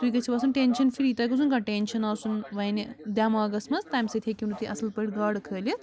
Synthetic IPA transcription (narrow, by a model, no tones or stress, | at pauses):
t̪uikɐt͡ʃʰiʋasunʈeːnʃɐnfʰiɾiːt̪ɐkɐsʰunɡaʈeːnʃɐnaːsunʋɐjnid̪ʲjaːmaːɡɐsmɐst̪aːmsɐt̪ʰʲekʲinut̪iʔɐslpɐɽɡaːɽkʰəːlʲi